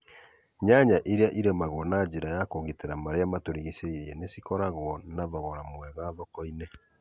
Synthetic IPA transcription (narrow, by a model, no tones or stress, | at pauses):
ɲaɲaʔiɾeaʔiɾemaɣonad͡ʒiɾajakoɣiteɾamaɾeamatoɾiɣiseiɾɛnesikɔɾaɣwɔnaðɔɣɔɾamwɛɣaːðɔkɔine